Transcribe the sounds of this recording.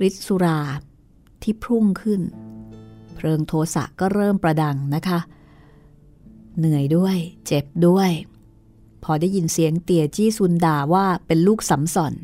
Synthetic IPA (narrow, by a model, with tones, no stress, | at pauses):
ɾi˦˥t̪̚su˧ɾaː˧ | t̪ʰiː˥˩pʰɾu˥˩ŋkʰɯ˥˩n | pʰɾɤː˧ŋt̪ʰoː˧sa̰˨˩ʔkːɔː˥˩ɾɤː˥˩mpɾa˧da˧ŋna˦˥kʰa˦˥ | nɯ˨˩˦əjdu˥˩əjt͡ɕe˨˩p̚du˥˩əj | pʰɔː˧daː˥˩jːi˧nsi˩˦əŋt̪i˨˩ət͡ɕiː˥˩su˧ndaː˨˩waː˥˩pe˧nluː˥˩k̚sa˩˦msɔ˨˩n